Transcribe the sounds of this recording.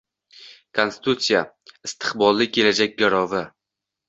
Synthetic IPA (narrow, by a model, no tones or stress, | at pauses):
kʰonsɪ̥t̪ut̪sija | ɪst̪ʰɨ̥qbɒlˠːɪkʲʰe̞lad͡ʒak̚ʲɡaɾɒvɪ